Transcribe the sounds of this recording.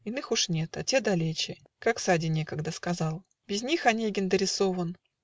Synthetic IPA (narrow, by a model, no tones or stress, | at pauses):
ɪnɨxuʂnʲe̞t̪ɐtʲed̪ɐlʲet͡ɕɪ | kaksadʲɪnʲe̞kəɡd̪əskɐzɑlˠ | bʲɪzʲnʲixɐnʲeɡʲɪnd̪əɾʲɪso̞vən